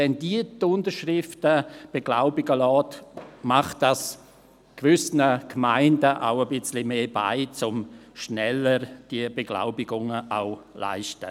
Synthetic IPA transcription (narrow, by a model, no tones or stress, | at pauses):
ɛndiətʊndəɾʃrɪftəb̥eɡ̥la̰ʊbɪɡəlɔːtmaχtːas | kvʏsnəkmaɪndəʔa̰ʊəbɪt͡slimeːba̰ɪt͡sʊmʃnɛləɾd̥iəbeɡ̥la̰ʊbɪɡʊŋəʔaʊla̰ɪʃtə